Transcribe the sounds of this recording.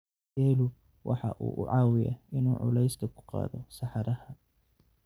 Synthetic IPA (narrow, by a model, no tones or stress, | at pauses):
ɛːlʊ | wʔɑ̰ħɑ̰ʔuːʔʊ̰ʕɑːwɪjɐ̰ʔɪnuːʕʊ̰lɛjsk̪ʰɐkʰʊ̥qɑ̰ːðɔsɑħɑɾʔɐhɐ